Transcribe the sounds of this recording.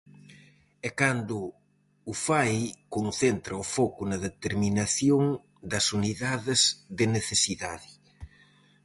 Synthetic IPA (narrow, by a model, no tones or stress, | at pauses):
ɛkand̪ʊː | fajkonθent̪ɾɐʊfɔkʊnɐðet̪eɾminaθjoŋ | d̪ɐsuniðaðɪzðɪneθesiðaðɪ